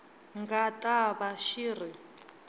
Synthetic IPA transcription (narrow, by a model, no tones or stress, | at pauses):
ŋɡatʼaβaʃiri